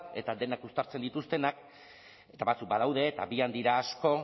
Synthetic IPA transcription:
e̞t̪ad̪e̞nakust̪aɾt͡se̞nd̪it̪ust̪e̞nak | e̞t̪aβat͡suk̚bað̞awð̞e̞ːt̪a̰biand̪iɾaːsko̞

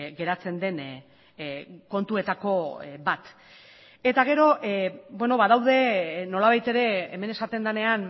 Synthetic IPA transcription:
ɡe̞ɾat͡se̞nd̪e̞n | ko̞nt̪ue̞t̪ako̞bat̪ | e̞t̪aɣ̞e̞ɾo̞ʔbwe̞no̞βaðawðe̞no̞laβ̞ajt̪e̞ɾe̞ːme̞ne̞sat̪e̞nd̪ane̞an

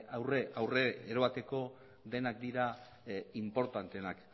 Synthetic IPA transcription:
awreʔawre̞eɾoβat̪e̞ko̞ | ðe̞nakd̪iɾa | impo̞ɾt̪ant̪enak

